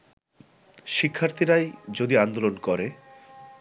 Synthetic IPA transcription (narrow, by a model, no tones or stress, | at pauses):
ʃikʰːaɾt̪ʰiɾajd͡ʑod̪iand̪olonkɔɾe